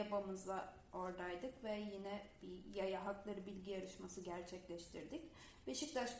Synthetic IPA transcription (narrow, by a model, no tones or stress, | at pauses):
abamɯza | o̞ɾd̪ajd̪ɯkvɛjinɛb̥ijajaɦaklˠaɾɯbilʲɟijaɾɯʃmasɯɟæɾt͡ʃʰɛclʲɛʃt̪ʰiɾd̪ɪc | beʃic̚d̪aʃ